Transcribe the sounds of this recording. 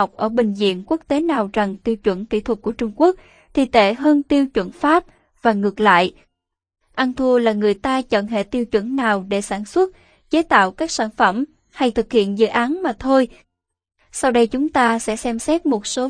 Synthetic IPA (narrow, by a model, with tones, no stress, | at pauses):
wk͡p̚ʔəː˧˩ɓï˨˩ŋ̟zḭ˧˨ənku˦˥ək̚t̪e˨˦naː˨˩wza˨˩ŋt̪i˧əwt͡ɕwə˧˩nk̪ḭ˧˩t̪ʰə˨˩t̚ku˧˩ət͡ɕʊ˧ŋ͡mku˦˥ək̚ | t̪ʰḭ˨˧˨t̪e˧˩ɦəː˧nt̪i˧əwt͡ɕwə̰˧˩nfaː˦˥p̚ | vaː˨˩ŋɨ˨˩ək̚la̰ː˧˨j | ʔa˧nt̪ʰu˧əlaː˨˩ŋɨ˨˩əjt̪aː˧t͡ɕə̰˧˨nɦḛ˧˨t̪i˧əwt͡ɕwə̰˧˥˩nnaː˨˩wɗe˧˩saː˧˩nswə˦˥t̚ | t͡ɕe˨˦t̪a̰ː˧˨wkaː˦˥k̚saː˧˩nfə˧˩m | ha˧jt̪ʰɨ˨˩k̚hḭ˧˨ənzɨ̰˧˨ʔaː˨˦nmaː˨˩t̪ʰo˧j | sa˧wɗə˧jt͡ɕʊ˨˦ŋ͡mt̪aː˧sɛ̰˧˥sɛ˧msɛ˦˥t̚mo˨˩t̚so˨˦